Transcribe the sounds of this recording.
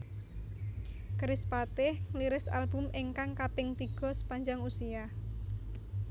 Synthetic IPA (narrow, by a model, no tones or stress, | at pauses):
kɾɪspat̪ɪhliɾɪsa̰lbʊ̤mʔɪŋkaŋkapɪŋt̪iɡ̥ɔ̤sə̥paɲd͡ʒaŋusija